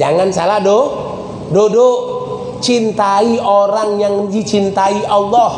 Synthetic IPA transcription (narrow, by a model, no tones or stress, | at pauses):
d͡ʒaŋansalahdo | dodo | t͡ʃint̪aiʔoɾaŋjaŋd͡ʒit͡ʃint̪aiʔɑlːɔh